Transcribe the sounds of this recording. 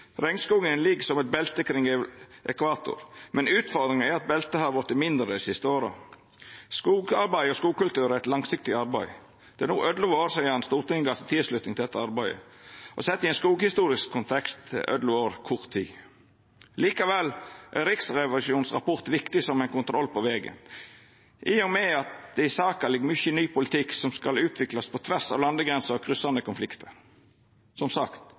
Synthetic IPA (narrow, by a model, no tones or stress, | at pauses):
ɾɛŋskuːɡənlɪɡsɔmɛt̪̚bɛlt̪əkʰɾɪŋʔɛkʋɑːt̪ʊ̰ɾmɛnʉːt̪fɔɾd̪ɾɪŋæɾɑt̪̚bɛlt̪əhɑʋɔɾt̪ːɪmɪnd̪ɾəisɪst̪əoːɾə̰ | skuːɡɑɾbæɪɔskuːɡ̚kʉlt̪ʉːɾæɾɛt̪lɑŋsɪk̚t̪ɪɑɾbæɪ | d̪̥ɛæɾnṵːʔœd̪lʊːʋoːɾsæɪɑnst̪uːɾt̪ɪŋəɡɑsət̪ʰɪsʂlʉt̪nɪŋt̪ɪlɛt̪ːəɑɾbæɪə̰ʔɔsɛt̪ːɪɛnskuːɡhɪst̪uːɾɪskʰːʊnt̪ʰɛkst̪ʰːɪ̰lʔœ̰d̪lʊoːɾkʰʊʁt̪ʰːiː | liːkɑʋɛlːʔæ̰ɾɪksɾɛʋɑlʉʃuːnsʁɑ̰pɔʁt̪ʋɪkt̪ɪsɔmæɪnkʊnt̪ʰɾɔlːpɔʋeːɡə̰n | ʔɪjɔŋmɛɑt̪̚d̪̥ɛɪsɑːkɑlɪɡmʏçənyːpʊlɪt̪ʰɪksɔmskɑlʉːt̪ʰʋɪklɑspʰɔt̪ʰʋæsɑʋlɑnd̪əɡɾɛnsəɾɔkʰɾʏsɑnd̪əkʊnflɪkt̪ʰəɾ | sɔmsɑkt̪